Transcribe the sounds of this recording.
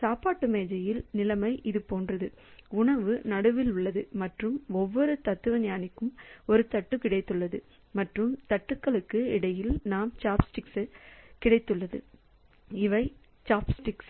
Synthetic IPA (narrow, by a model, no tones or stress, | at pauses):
saːpaːʈːɯmeːd͡ʒɐjɪlnɪlɐmɐɪʔɪðɯpoːndrɐðɯ | ʊɳɐʋɯnɐɽɯʋɪlʊɭːɐðɯmɐʈrɯmɔʋːɔɾɯt̪ɐt̪ːɯʋɐnjaːnɪkːɯmɔɾɯt̪ɐʈːɯkɪɽɐɪt̪ːɯɭːɐðɯ | mɐʈrɯmt̪ɐʈːɯkːɐɭɯkːɯɪɽɐjɪlnaːmt͡ʃaːpsʈɪksɐkɪɽɐɪt̪ːɯɭːɐðɯ̰ | ɪʋɐɪ | t͡ʃaːpsʈɪks